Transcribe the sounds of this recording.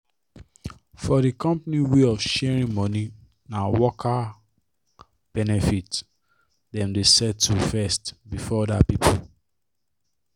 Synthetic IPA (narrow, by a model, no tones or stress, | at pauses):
fɔdikɔ̃mpniweɔvʃɛɹĩnmɔ̃ni | nawɔkʰa | b̥ɛnɛfit | dɛ̃mdesɛtːufɛstbifɔɔdapipʰo